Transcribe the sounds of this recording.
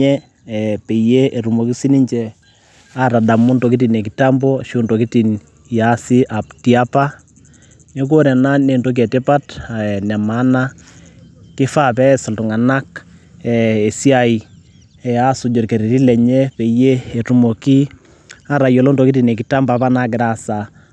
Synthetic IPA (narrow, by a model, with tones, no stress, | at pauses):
ɛ˦ | pe˨je˦e˨ɾu˨mo˨ki˦si˦ni˦ɲt͡ʃɛ˨ | a˦ɾa˨da˨mʊ˦ndɔ˨ki˦t̬i˨ne˨ki˨ta˦mbɔ˦ʃo˦ndo˨ki˦ti˨n | ja˦sɪ˦ʔa˨ptia˦pa˦ | ne˦k̬o˦ɾɛ˨na˦ne˨ndo˦k̬ɛ˨tɪ˦pa˦tnɛ˨ma˦na˦ | kɪ˦fa˦pɛ˦sɔ˨ltʊ˨ŋa˨na˦kɛe˨si˦a˦˨i˨ | ɛ˨a˦sʊ˨d͡ʒɔ˨rke˨ɾi˨ɾi˦lɛ˨ɲe˦pɛ˨je˦e˨ru˨mo˨ki˦ | a˦ɾa˨jɔ˨lɔ˦ndo˨ki˦ti˨ne˨kɪ˨ta˦mba˦pa˦na˦kɪ˨ɾa˨sa